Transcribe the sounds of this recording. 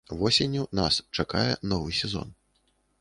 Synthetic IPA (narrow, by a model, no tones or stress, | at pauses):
vɔsʲenʲːunast͡ʂakajɛnɔvɨsʲɛzɔ̰n